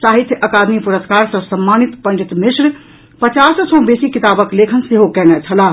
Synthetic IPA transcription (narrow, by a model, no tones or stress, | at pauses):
t͡ʃaɦit̪ʰʔəkad̪mipuɾəskaɾsəsəmːanit̪pəɳɖit̪mɪsɾ | pət͡ʃassɔ̃besikit̪abəklekʰənseɦokɛnɛt͡ʃʰəla